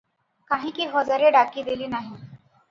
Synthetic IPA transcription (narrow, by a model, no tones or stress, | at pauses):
kaɦiːkiːɦɔd͡zaɾeɖakiːd̪eliːnaɦi